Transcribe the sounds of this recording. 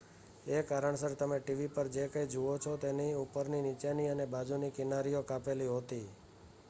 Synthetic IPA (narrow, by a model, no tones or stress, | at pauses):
ekaɾəɳsəɾt̪əmeʈiʋipəɾd͡ʒekəjd͡ʒuot͡ʃʰɔt̪eniupəɾninit͡ʃeniənebad͡ʒunikɪnaɾijokapeliɦot̪i